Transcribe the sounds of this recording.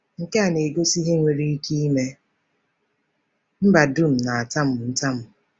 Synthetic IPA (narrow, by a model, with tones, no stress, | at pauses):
ŋ̩˨ke˦a˨ne˨ɡo˦si˦ɦe˦ŋʷe˨ɾi˦i˦ki˦i˦me˦ | m̩˦ba˨du˦˨m̩˨na˨a˨ta˦m̩˦˨n̩˦ta˦m̩˦˨